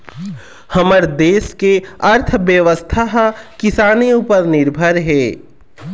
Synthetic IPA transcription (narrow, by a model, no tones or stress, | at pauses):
həməɾd̪eːskeɐɾt̪ʰʋjəʋəst̪ʰaɦkɪsaːneupəɾnɪɾbʱəɾɦɛː